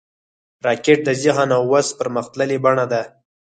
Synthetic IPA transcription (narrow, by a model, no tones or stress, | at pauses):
ɾɑkeʈ̚d̪əziɦɑnawːazpəɾməxt̪ləlebaɳad̪a